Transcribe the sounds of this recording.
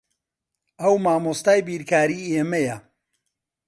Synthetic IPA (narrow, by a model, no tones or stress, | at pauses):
ʔɐwmaːmost̪aːjbiːɾkaːɾiːʔemɐjɐ